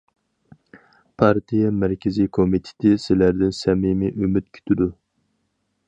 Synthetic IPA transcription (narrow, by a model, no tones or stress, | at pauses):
pʰɑɾt̪ʰijɛmæɾkʲʰɪzijkʰomit̪ʰɪ̥t̪ʰɪsɪlæɾd̪ɪnsɛmimiʔymyt̪̚kʲʰy̥t̪ʰɪd̪u